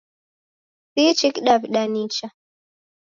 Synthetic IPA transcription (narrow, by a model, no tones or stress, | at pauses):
sit͡ʃikɗavɗanit͡ʃa